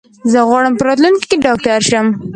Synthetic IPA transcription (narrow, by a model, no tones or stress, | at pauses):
zəɣwɑɽəmpəɾɑt̪lunkkeɖɑk̚ʈaaɾʃəm